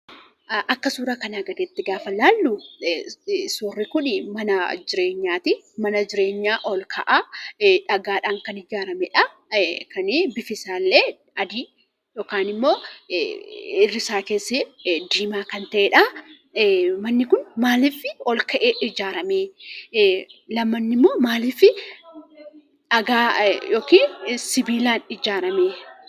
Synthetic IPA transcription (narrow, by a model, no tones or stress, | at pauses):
ʔɐkːɐsuːɾɐkɐnaːɡɐd̪eːt̪ːɪɡaːfɐlaːlːʊ | suːrːɪkʊnmɐnɐd͡ʒɪɾe̞ːɲːaːt̪ɪ | mɐnɐd͡ʒɪɾe̞ːɲːaːʔɔlkʰɐʔaᶑɐɡaːᶑaːŋkɐnɪd͡ʒaːɾɐmɛᶑɐ | kɐnɪbɪfɪsaːlːeː | ɐd̪iː | joːkaːnɪmːo̞ː | ɪrːɪsaːkeːsːɪd̪iːmaːkɐnt̪ɐʔɛᶑɐ | mɐnːɪkʊnmaːliːfɪɔlkɐʔeːʔɪd͡ʒaːɾɐmeː | lɐmːɐnːɪmːo̞ːmaːliːfɪ | ɐɡaːjoːkiːsɪbiːlaːnɪd͡ʒaːɾɐmeː